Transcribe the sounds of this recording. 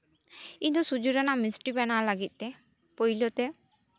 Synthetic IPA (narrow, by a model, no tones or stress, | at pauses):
id̪ɔsud͡ʒuɾanaʔmisʈibɛnalaɡit̪̚ˀt̪ɛ | pojlot̪ɛ